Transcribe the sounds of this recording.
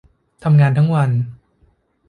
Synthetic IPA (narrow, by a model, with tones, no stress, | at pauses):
t̪ʰa˧mŋaː˧nt̪ʰa˦˥ŋwa˧n